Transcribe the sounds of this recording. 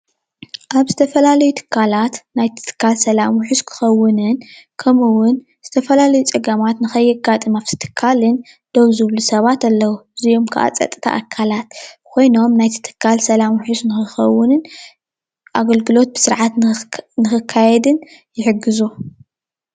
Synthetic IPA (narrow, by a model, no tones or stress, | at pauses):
ʔaβzɨt̪ʰɐfɐlalɐjut̪ʰɨ̥kʰːalat̪najt̪ʰɨ̥t̪ʰɨ̥kʰːalsɐlamuħuskʰɨ̥xɐwːɨnɨnkʰɐmɨwʊn | z̥ɨt̪ʰɐfɐlalɐjut͡sʼɨɡɐmat̪nɨxɐjːɛɡat̪ʼɨmaβtʰɨ̥t̪ʰɨ̥kʰːalɨn | d̪̥oβzɨβlusɐβat̪ɐlːɐwuɨzijo̞mkʰa̰ʔa̰t͡sʼɐ̰t̪ʼɨt̪ʰa̰ʔːkʰːalat̪̚kʰo̞jno̞mnajt̪ʰɨ̥t̪ʰɨ̥kʰːalsɐlamħusnɨxɨxɐwːʊnɨn | ʔaɡɐlɡɨlo̞t̪̚bɨ̥sɨɾʕat̪nɨxɨkʰːajɛd̪ɨnjɪħɨɡːɨzu